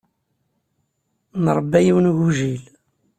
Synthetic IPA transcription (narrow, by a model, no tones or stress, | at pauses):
nəɾˤəbːæjiwnʝuʒil